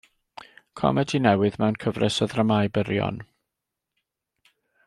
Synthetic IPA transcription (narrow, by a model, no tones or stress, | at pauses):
kʰɔ̰mɛdinɛwɨðmɛwnkʰəvrɛsəðrəmajbəɾjɔ̰n